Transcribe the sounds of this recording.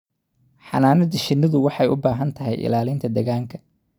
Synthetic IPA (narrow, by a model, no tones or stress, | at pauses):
ħɑ̰naːnɐd̪ɐʃɪnːɐðʊwɑħɑjʊbaːɦɐnt̪ʰɐɦɛjʔɪ̰laːlɪnt̪ʰɐd̪ɛɣaːŋkʰɐ̥